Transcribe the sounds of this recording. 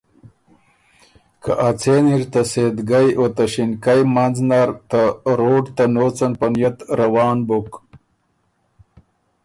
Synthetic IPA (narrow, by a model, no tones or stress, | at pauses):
kʰa̰ʔat͡seniɾt̪ased̪ɡajʔot̪aɕinkajmanznaɾt̪aɾoːɖt̪anot͡sanpɐnjɐt̪ɾawɑːnbok